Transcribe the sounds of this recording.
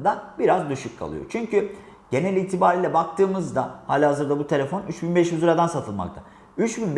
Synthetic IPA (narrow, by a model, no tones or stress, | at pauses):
d̪abiɾazd̪yʃyckʰːa̰lˠɯ̰jo̰t͡ʃʰyɲcʰy | ɟ̥e̞nɛlʲiːt̪ʰibaːɾiːlʲɛbak̚t̪ʰɯːmɯzd̪ahaːlʲhazɯɾd̪abut̪ʰe̞lʲefo̞nyt͡ʃbinbɛʃjyzɯɾad̪ansat̪ʰɯlˠma̰kt̪ʰa | yt͡ʃbinb